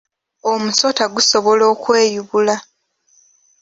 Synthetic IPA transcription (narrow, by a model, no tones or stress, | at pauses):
o̞muso̞taɡuso̞βo̞lo̞ːkwe̞ːjuβula